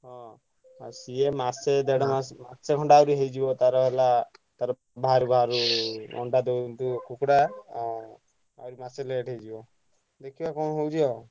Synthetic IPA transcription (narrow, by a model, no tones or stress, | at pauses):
ɦɔ̃ | asiemased̪eɽamamaseɡʱɔɳɖaawɾiɦejd͡ʒibɔt̪aɾɔbʱelat̪aɾɔ | bʱaaɾubʱaɾuɔ̰ɳɖad̪ewnt̪ukʰukɽa | a̰wɾimaseleʈʰejd͡ʒibɔ | d̪ekʰibakɔnɦowd͡ʒʰiɔ